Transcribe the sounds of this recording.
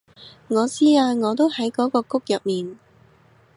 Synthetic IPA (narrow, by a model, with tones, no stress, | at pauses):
ŋɔː˨˧t͡siː˥aː˧ŋɔː˨˧t̪̬o˥whɐ˨˥jkɔː˨˥kɔː˧kʊ˥k̚jɐ˨p̚miː˨n